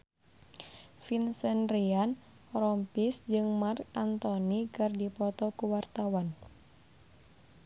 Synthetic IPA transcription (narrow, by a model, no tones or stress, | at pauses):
finsənrian | ɾɔmpisd͡ʒɨŋmarkant̪ɔnikɨrdipɔt̪ɔkuwart̪awan